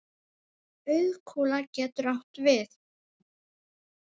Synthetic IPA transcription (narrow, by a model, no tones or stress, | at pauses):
œɥkʰuːlacɛːt̪ʏɾawht̪vɪθ